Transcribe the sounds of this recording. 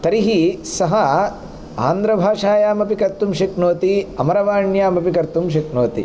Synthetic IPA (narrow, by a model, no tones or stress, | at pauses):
t̪ɐɾiɦisɐɦɐ | a̰ːnd̪ɾɐbʱaːʂaːjaːmɐpikɐɾt̪ːumʃiknoːt̪iɐmɐɾɐʋaːɳjaːmɐpikɐɾt̪umʃiknoːt̪ḭ